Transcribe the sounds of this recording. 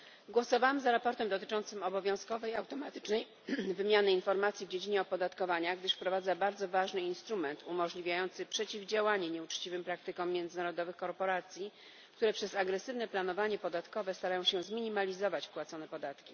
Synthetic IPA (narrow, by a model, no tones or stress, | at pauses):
ɡwɔsɔvawɛmzaɾapɔɾt̪ɛmd̪ɔt̪ɘt͡ʂɔnt̪sɘmɔbɔvʲjɔ̃w̃skɔvɛjawt̪ɔmat̪ɘ̥t͡ʂnɛj | vɘmʲjanɘinfɔɾmat̪sʲjivd͡ʑed͡ʑiɲɛɔpɔd̪at̪kɔvaɲaɡd̪ɘʂfpɾɔvad̪zabaɾd̪zɔvaʐnɘinst̪ɾumɛnt̪umɔʐlʲivʲjajɔnt̪sɘpʂɛt͡ɕivd͡ʑawaɲɛɲɛut͡ʂt͡ɕivɘmpɾak̚t̪ɘkɔ̃mːʲjɛnd̪zɘnaɾɔd̪ɔvɘxkɔɾpɔɾat̪sʲji | k̚t̪uɾɛpʂɛzaɡɾɛsɘvnɛplan̪ɔvaɲɛpɔd̪at̪kɔvɛst̪aɾajɔ̃w̃ɕɛzmʲiɲimalʲizɔvat͡ɕpwat̪sɔnɛpɔd̪at̪kʲi